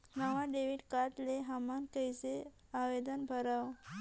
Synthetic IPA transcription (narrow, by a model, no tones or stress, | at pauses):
naʋaɖeʋiɽkaʈ̪leɦamankəjse | aʋed̪ənbʱəɾaʋ